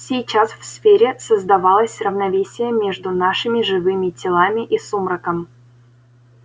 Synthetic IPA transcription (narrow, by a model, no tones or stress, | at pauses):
sʲɪjt͡ɕasfsfʲeɾʲɪsəzd̪ɐvalˠəsʲrəvnɐvʲesʲɪjəmʲeʐd̪ʊnaʂɨmʲɪʐɨvɨmʲɪtʲɪlˠamʲɪʔisumrəkəm